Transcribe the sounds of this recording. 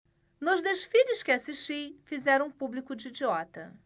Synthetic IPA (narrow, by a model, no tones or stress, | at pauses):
nʊzd̪eʃfiʎɪskɪasiʃt͡ʃijfizɛɾɐ̃publikʊd͡ʒiid͡ʒiɔt̪ɐ